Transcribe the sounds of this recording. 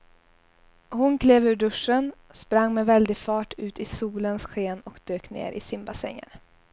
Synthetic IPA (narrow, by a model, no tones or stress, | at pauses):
hʊnkʰleːvʉ̟ːɖɵʂːənspɾaŋːmɛvɛld̪ɪfɑːʈʉ̟ːt̪ɪsuːlənsɧeːnɔkd̪̥øːknḛːɾʔɪ̰sɪmbasɛ̰ŋːə̰ɾ